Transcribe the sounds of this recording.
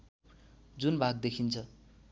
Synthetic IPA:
d͡zunbʱaɡd̪ekʰint͡sʰʌ

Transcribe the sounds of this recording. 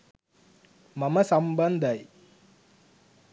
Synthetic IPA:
mɐmɐsɐmbɐnd̪ɐj

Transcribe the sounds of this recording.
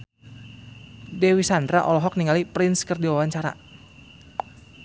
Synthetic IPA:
dɛwisand̪ɾaʔɔlɔɦɔk̚niŋalipɾɪnskərdiwawaɲt͡ʃaɾa̰

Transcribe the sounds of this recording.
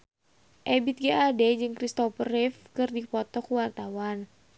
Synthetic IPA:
ʔɛbit̪̚ɡaadɛd͡ʒɨŋkɾist̪ɔfərɪfkɨrdipɔt̪ɔkuwart̪awan

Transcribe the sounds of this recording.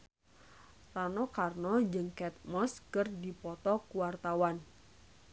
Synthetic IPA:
ranɔkarnɔd͡ʒɨŋkɛt̪̚mɔskərdipɔt̪ɔkuwart̪awan

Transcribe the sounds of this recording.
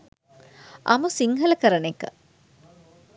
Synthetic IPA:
ʔɐ̰musiŋɦɐlɐkəɾənekə̰

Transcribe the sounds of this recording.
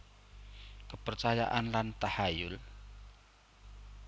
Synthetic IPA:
kəpərt͡ʃaja̰ʔanlant̪ahajʊl

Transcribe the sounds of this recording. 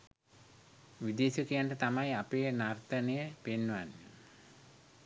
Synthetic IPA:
ʋid̪eːsəkijaɳʈət̪amajapeːnart̪ənejəpenːʋanːe

